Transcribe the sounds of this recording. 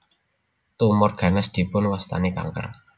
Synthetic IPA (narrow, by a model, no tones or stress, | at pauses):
t̪umɔrɡ̥a̤nɪsd̪̥i̤pʊnwast̪a̰neka̰ŋkə̰r